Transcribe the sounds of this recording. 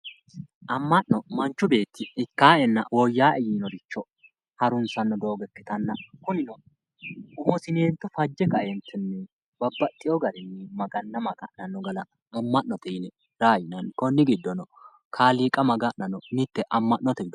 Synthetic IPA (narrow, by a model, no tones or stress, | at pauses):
ʔɐmːɐʔnɔmɐnt͡ʃːʊbe̞ːt̪ːɪːkːaːɛnːɐ̰wɔjːaːʔɛjiːnɔɾɪt͡ʃːɔ | hɐɾʊnsɐnːɔd̪o̞ːɡɛkːɪ̥t̪ɐnːɐkʊnɪnɔ | ʊhɔsɪneːnt̪ːɔfɐd͡ʒːɛkɐʔɛnt̪ʰːɛnːɛ | bɐbːɐt̪ʼːɪjɔɡɐɾɪnːɛmɐɡɐnːɐmɐɡɐ̰ʔnɐnːɔɡɐlɐ | ɐmːɐʔnɔt̪ɛnɛ | ɾaːjɪnɐnkɔnːɪɡɪd̪ːɔnɔ | kʰaːliːkʼɐmɐɡɐʔnɐnɔnɪt̪ːɛʔɐmːɐʔnɔt̪ɛɡɪd̪